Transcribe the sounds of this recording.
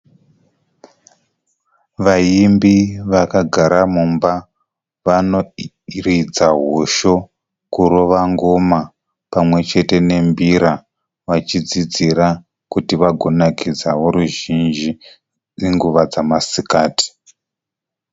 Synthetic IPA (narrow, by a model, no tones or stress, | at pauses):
ʋajimbiʋakaɡʱaɾamumba | ʋano̞ | rid͡zaɦoʃo̞ | kuɾo̞ʋaŋɡo̞ma | pamwe̞t͡ʃe̞te̞ne̞mbiɾa | ʋat͡ʃid͡zid͡ziɾa | kutiʋaɡʱo̞nakid͡zawo̞ɾuʒind͡ʒi | iŋɡuʋad͡zamasikaːti̥